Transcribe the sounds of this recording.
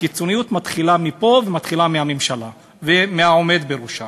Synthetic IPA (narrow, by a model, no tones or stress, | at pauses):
kit͡so̞nijut̪mat̪χilamipo̞vemat̪χilamihamemʃala | vemeao̞me̞d̪beʁuʃa